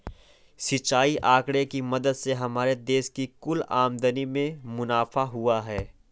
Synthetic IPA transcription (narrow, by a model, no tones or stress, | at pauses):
sit͡ʃːaːiʔaːkɽekimɐd̪əd̪seɦɐmaːɾed̪eːʃkikʊla̰ːmd̪ənimẽmʊnaːfaɦʊaɦɛː